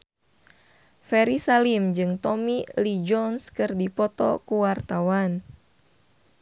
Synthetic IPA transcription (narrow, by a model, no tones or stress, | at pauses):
fɛɾisalimd͡ʒɨŋt̪ɔmilid͡ʒɔnskɨrdipɔt̪ɔ̰kuwart̪awan